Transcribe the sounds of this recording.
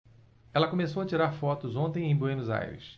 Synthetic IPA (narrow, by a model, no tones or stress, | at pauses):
ɛlɐkomesowɐt͡ʃiɾaɾfɔt̪ʊzõnt̪ẽj̃ẽj̃boej̃nʊza̰jɾɪ̰s